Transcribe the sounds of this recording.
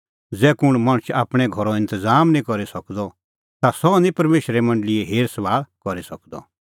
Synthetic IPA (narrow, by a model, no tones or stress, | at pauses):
d͡zɛːkʊɽ̃maɽ̃ʊt͡ʃaːpɽ̃ɛɡʱɔɾɔɪ̃nt̪əzaːmnĩkɔɾisɐkd̪ɔ | t̪asɔnĩpɐɾmeːʃɾɛmɐ̃ɳɖəlɪeɦeːɾsɐʋaːlkɔɾisɐkd̪ɔ̰